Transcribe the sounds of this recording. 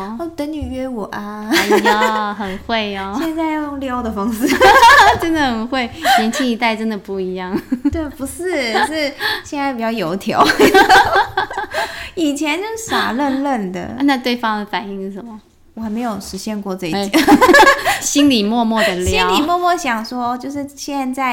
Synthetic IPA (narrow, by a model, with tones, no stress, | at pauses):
o˥˩t̪ə˧˥ny˨˩ɥɛ˥wɔ˨˩ʔa˧˦˧ | xə˨˩nxwe˥˩ɪɐ˨˩ɕjɛ˥˧nt͡sa˥˧ɪjʊjo˥˧ŋljɑ˥ʊd̪ə˨˩fɑ˥ŋs̩˥˨˩ʈ͡ʂə˦˥nd̪ə˨xə˨˩nxwe˥˩ɪjɛ˧˥nt͡ɕʰi˥ŋi˧˥t̪a˥˩ɪʈ͡ʂə˦nd̪ə˨˩pu˥˩i˧˥jɑ˥˩ŋt̪we˥˩ɪpu˧˥ʂɻ̩˥˩ʂ̩˥˩ɕjɛ˥˧na˥˧ɪpi˨˩t͡ɕjɑ˥˩ʊjo˧˥ʊt̪ʰjɑ̰˧˦ʊ | i˨˩t͡ɕʰjɛ˧˦nt͡ɕo˥˧˥sa̰˨˩lə˥˧nlə˥˩nd̪ə̰˩˥˧na˥˧t̪we˥˩ɪfɑ˥ŋd̪ə˨fa˨˩ni˥˧ŋʂɻ̩˥˩ʂə˧˩nmə˨˩ | wɔ˨xa˧˥me˧ɪjo˨˩ʊʂɻ̩˧˥ɕjɛ˥˧nkwɔ˥˧t͡sə˥˧i˧˩˨ | ɕi˥nli˨˩mwɔ˥˧mwɔ˥˩d̪ə˩ljiɑ˧˥˦li˨˩mwɔ˥˧mwɔ˥˩ɕjɑ˨˩ŋʂwɔ˦˥ɔ˧t͡ɕjo˥˧ʊʂ̬ɻ̩˥˧ɕjɛ˥˧nt͡sa˥˩ɪ